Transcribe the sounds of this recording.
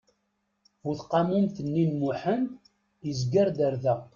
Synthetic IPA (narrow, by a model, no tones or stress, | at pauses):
vuθqɑmumθənːinmuħənd̪ | jəzɡəɾd̪əɾðæ